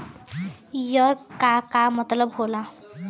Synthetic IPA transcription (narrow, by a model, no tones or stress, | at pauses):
jʌɾkakamʌt̪lʌbɦola